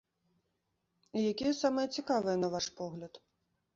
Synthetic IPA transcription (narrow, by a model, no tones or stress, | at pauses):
ijakʲijɐsamɐjɐt͡sʲikavɨjɐnɐvaʂpɔɣlʲɐt̪